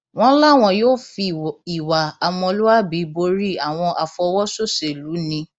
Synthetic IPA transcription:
w̃ɔ̃˦la˦˨w̃ɔ̃˧joː˦˨fi˧i˨wa˨a˨m̃ɔ̃˧lu˦wa˦bi˨˦bo˧˦ɾi˦˨a˨w̃ɔ̃˧ʔa˨fɔ˧wɔ˦so˦˨se˨lu˨˦nĩ˧˦

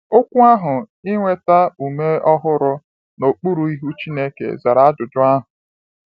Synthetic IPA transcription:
o˦kʷu˦a˦ɦʊ˨ | ɪ˦ŋʷe˦ta˦u˨me˦ɔ˦ɦʊ˦ɾʊ˦ | no˨k͡pu˦ɾu˨i˦ɦu˦t͡ʃi˦ne˦kḛ˨za˨ɾa˨˦a˦d͡ʒʊ˨d͡ʒʊ˦a˦ɦʊ˨

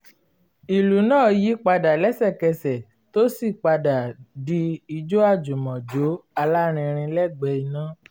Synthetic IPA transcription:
i˨lu˨˦nãː˦˨ji˨˦k͡pa˧da˨lɛ˦sɛ˦˨kɛ˧sɛ˨ | to˦si˦˨k͡pa˧da˨di˧i˧d͡ʒo˦a˦˨d͡ʒu˨mɔ̃˨d͡ʒo˨˦a˧la˦ɾ̃ĩ˧ɾ̃ĩ˧lɛ˦˨ɡ͡bɛ˧˦i˧nã˦

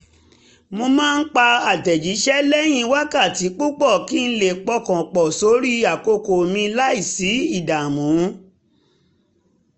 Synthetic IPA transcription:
mõ˧mãː˦˧n̩˦k͡pa˧a˨dɛ˨d͡ʒi˨˦ʃɛ˦lɛ˦j̃ĩ˧wa˦ka˦˨ti˨˦k͡pu˦k͡pɔ˦˨ki˦˧n̩˦le˦˨k͡pɔ˧˨kã˨k͡pɔ˨so˨˦ɾi˦a˨ko˧ko˨mĩ˧la˦i˦˨si˨˦i˦˨da˨mũ˨˦

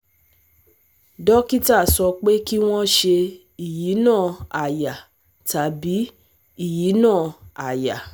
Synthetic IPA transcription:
dɔ˦ki˦ta˦˨sɔ˧k͡pe˦ki˦w̃ɔ̃˦ʃe˧ | i˦˨ji˨˦nãː˦˨a˨ja˨ | ta˨˦bi˨˦ | i˦˨ji˨˦nãː˦˨a˨ja˨

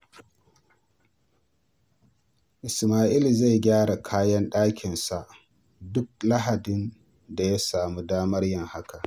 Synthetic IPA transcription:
ʔɪ˨smaː˨ʔi˦li˨za˦˨jɡʲaː˦ɽa˨kʰaː˦jɐ˦nɗaː˦kʲɪ˨nsa˨ʔ | dʊ˦k̚la˦ɦa˨dɪ˦n | da˨ja˦saː˨mu˦daː˦mɐ˦rjɐ˦˨ŋha˦ka˨ʔ

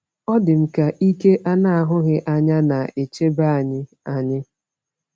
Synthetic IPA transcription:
ɔ˦dɪ˨m̩˨ka˨ʔi˦ke˦ʔa˦na˦a˦ɦʊ˦ɣɪ˦ʔa˦ɲa˦na˨e˨t͡ʃe˦ba˦a˨ɲɪ˦ | a˨ɲɪ˦

